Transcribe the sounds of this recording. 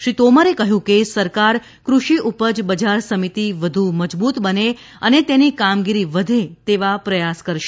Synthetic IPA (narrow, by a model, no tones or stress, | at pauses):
ʃɾit̪oməɾekəɦjũkesəɾkaɾ | kɾuʃiʔupəd͡ʒbəd͡ʒaɾsəmit̪iʋəd̪ʱuməd͡ʒbut̪bəne | ənet̪enikamɡiɾiʋəd̪ʱet̪eʋapɾəjaskəɾʃ